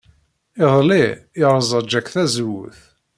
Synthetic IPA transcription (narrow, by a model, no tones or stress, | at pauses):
ɪðˤliɪɾˤzˤɑd͡ʒːækθæzwʊ̰θ